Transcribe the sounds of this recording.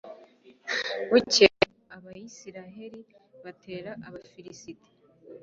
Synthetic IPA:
wuce | aβajisiɾaɦe̞ɾiβate̞ːɾaʔaβafiɾisite̥

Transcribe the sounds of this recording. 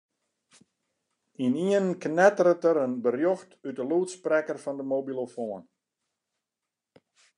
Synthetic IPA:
iniənknɛtərətəɾənbərjoxtytəluːtsprɛkərfɔndəmobilˠofoən

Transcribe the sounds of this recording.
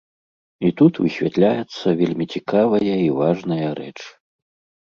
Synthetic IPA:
it̪ut̪vɨsʲvʲat̪lʲajɛt̪sːɐvʲelʲmʲit͡sʲikavɐjɐivaʐnɐjɐɾɛ̰t͡ʂ

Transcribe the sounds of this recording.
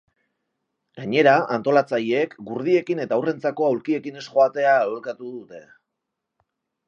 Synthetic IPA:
ɡaɲe̞ɾaʔant̪o̞lat͡sajeːkɡuɾð̞ie̞kine̞t̪awre̞nt͡sako̞awlkie̞kine̞sxo̞at̪e̞aolkat̪uðut̪e̞

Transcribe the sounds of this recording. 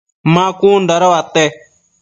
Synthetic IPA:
mãːkuːnɖʱəɾoːaːt̪ːeː

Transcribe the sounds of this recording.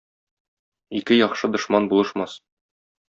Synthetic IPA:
ikɘjɒχʃɤd̪ŏʃmɑnbulˠɤ̆ʃmɑs

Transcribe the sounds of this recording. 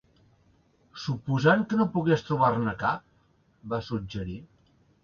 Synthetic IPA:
supuzaŋkənopuɣest̪ɾuβ̞arnəkap̚ | basud͡ʒəɾi

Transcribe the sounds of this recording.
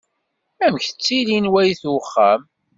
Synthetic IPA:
æmçθə̥t͡sːilinwæjθwχːæ̰m

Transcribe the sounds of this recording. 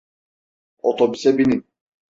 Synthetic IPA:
ot̪ʰobysɛbinin

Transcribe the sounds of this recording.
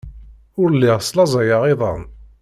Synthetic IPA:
ʊɾlːiʁslɑzˤɑjɑʁɪðˤɑ̰n

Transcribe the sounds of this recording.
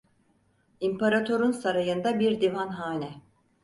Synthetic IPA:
impʰaɾat̪ʰo̞ɾunsaɾajɯnd̪abiɾd̪ivanɦaːnʲɛ

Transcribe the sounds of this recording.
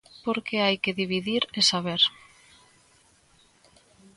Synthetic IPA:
poɾkeajkeðiβiðiɾesaβ̞eɾ

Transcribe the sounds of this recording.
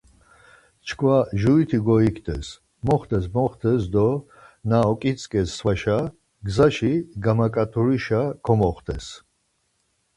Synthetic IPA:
t͡ʃʰkʰwaʒuit̪ʰiɡɔikʰt̪ʰɛ̰s | mɔχt̪ʰɛs̬mɔχt̪ʰɛs̬d̪ɔ | naɔkʼit͡sʼkʼɛsːwaʃa | ɡzaʃiɡamakʼat̪ʰʼuɾiʃakʰɔmɔχt̪ʰɛs

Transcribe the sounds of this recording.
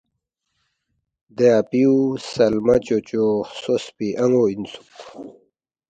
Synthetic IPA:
d̪eapiusɐlmɐt͡ɕot͡ɕosospiʔɐŋoinsu̥k

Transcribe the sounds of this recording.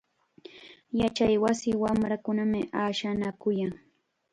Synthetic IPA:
jat͡ʃajwasɪwamɾakʊnamɪʔaːʃanakʊjaŋ

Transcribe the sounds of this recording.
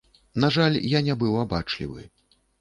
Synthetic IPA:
naʐalʲjanʲɛbɨwabat͡ʂlʲḭvɨ̰

